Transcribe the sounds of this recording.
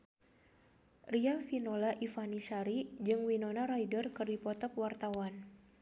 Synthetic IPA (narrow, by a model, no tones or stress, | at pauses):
riafinolaʔifanisaɾid͡ʒɨŋwinonaɾajdərkɨrdipɔt̪ɔk̚wart̪awan